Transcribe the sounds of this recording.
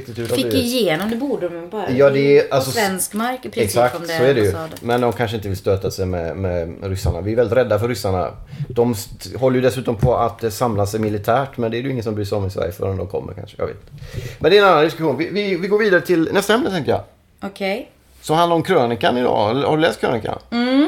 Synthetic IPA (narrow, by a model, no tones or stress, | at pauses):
kt̪ɪt̪ʉːajeːnɔmd̪ɛbuːɖmbɑːɾjɑːd̪ɛʔalsɔɛnskmaɾkʰɾɛksak̚t̪sɔɛɖɛjɵmɛnd̪ɔmkʰanʂ̬əɪnt̪əvɪlst̪øːt̪asɛjmɛmɛɾʏsːa̰ɳa̰vɪæɾvɛlɪt̪ɾɛd̪ːafœɾːʏsːaɳa̰ | d̪̥ɔmsɦɔlːəjɵd̪ɛsːʉ̟ːt̪ɔmpʰɔat̪samlasɛjmɪlɪt̪ʰæːʈmɛnd̪ɛːɾjɵɪŋːəsɔmbɾyːsɔmːɪsɛ̰jfœ̰ːɾɛnd̪ɔmkʰɔ̰mːə̰ɾkʰa̰nʂə̥jɑ̰ɡvḛt̪ɪmɛnd̪ɛɾɛnanːand̪ɪskɵɧuːnvɪvɪvɪɡoːɾviːd̪aɾət̪ʰɪlnɛst̪aɛmnət̪ɛŋkəjɑ̰ | ɔkʰɛj | sɔmhand̪aɾɔmkʰɾøːnɪkanɪd̪ɑ̰ːɛlːəhaɾɵlɛːst̪kʰɾø̰ːnɪka̰n